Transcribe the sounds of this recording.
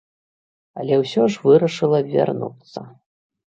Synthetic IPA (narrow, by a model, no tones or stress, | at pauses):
ɐlʲɛwsʲɔʐvɨɾɐʂɨlˠɐvʲa̰rnṵt̪sːɐ̰